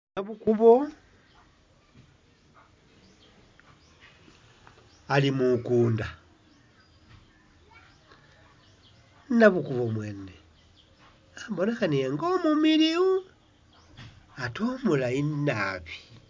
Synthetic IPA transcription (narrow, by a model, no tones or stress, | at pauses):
naβukuβo | alimukuːnda | naβukuβomwe̞ːne | abonexanieŋɡomumiliu | atomulainaβi̥